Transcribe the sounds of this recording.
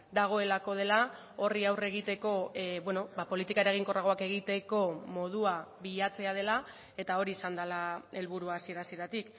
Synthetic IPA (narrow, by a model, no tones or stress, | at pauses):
d̪aɣ̞o̞e̞lako̞ð̞e̞la | o̞riawre̞ɣ̞it̪e̞ko̞bwe̞no̞bapo̞lit̪ikaeɾeɣ̞iŋko̞raɣ̞o̞ake̞ɣ̞it̪e̞ko̞mo̞ð̞uaβiʎat͡se̞aðe̞la | e̞t̪ao̞ɾiːsand̪alae̞lβuɾuasie̞ɾasie̞ɾat̪ik